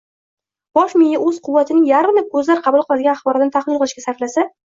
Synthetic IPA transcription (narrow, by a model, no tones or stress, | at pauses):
b̥ɒʃmɪjːaɵzqʰʊwːat̪ʰɪnɪŋjaɾɪmlɪkʰɵzlaɾqʰɑbulˠqʰɨlˠad̪ɪɡʲanaχbɒɾat̪ɪnɪt̪ʰaχlˠɪlˠqʰɨlˠɪʃkʲasaɾflasa